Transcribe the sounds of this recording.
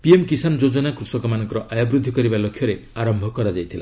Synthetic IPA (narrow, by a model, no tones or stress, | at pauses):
piemkisanɔd͡ʒod͡ʒɔnakɾusɔkɔmanɔ̃ŋkɔɾɔʔajɔbɾud̪ʱːikɔɾibalokʰːjɔɾeaɾɔmbʱɔkɔɾad͡ʒajt̪ʰila̰